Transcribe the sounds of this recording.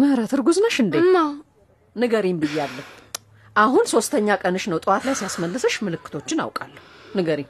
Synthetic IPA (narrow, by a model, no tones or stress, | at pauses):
mɨhɾət̪ʰɨɾɡuznəʃɨnd̪ema | nɨɡəɾimbɨjːalːə | ʔahunso̞st̪ʰəɲːakʼənɨʃnəwt̪ʼɨwat̪lajsijasməlːɨsəʃmɨlɨkːɨ̥t̪ʰo̞t͡ʃːɪna̰wkʼa̰lːəhunɨɡəɾim